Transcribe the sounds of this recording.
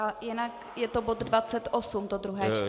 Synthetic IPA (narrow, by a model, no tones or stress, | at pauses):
ajɛnak | jɛt̪obot̪dvat͡sɛt̪ʔosumt̪od̪ɾuɦɛːt͡ʃt̪